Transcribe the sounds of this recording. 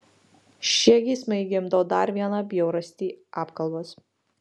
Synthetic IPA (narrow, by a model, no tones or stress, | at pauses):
ʃʲiɛɡʲiːsmɐɪɡʲɪmd̪oːd̪ɐɾʋʲiɛnɑbʲjɛʊɾɐsʲt̪ʲiːʔɑːpkɐlˠboːs